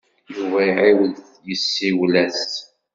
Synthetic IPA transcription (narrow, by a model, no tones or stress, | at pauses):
juvæiʕewəð | jəsːiwlæs